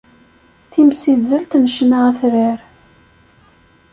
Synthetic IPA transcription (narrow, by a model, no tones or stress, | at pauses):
θimsizəlt̪nəʃnaʁæθɾiɾ